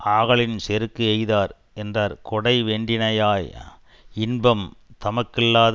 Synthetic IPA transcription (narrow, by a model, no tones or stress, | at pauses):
aːɣɐɭɪnsɛɾɯkːɯɐjðaːɾ | ɛndraːɾkɔɽɐɪʋeːɳɖɪnɐjaːj | ɪnbɐmt̪ɐmɐkːɪlːaːð